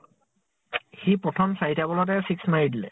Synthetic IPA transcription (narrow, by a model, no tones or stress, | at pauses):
xipɹɔtʰɔmsajtabɔlɔt̬ɛsiksmaɹidilɛ̰